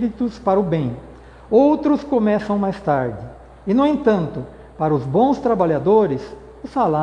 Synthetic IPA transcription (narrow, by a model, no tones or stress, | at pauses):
ɾit̪ʊspaɾɐʊbẽj̃ | owt̪ɾʊskomɛsɐ̃w̃majst̪aɾd͡ʒɪ | ɪnʊẽnt̪ɐ̃nt̪ʊ | paɾɐʊzbõw̃st̪ɾabaʎad̪oɾɪs | ʊsala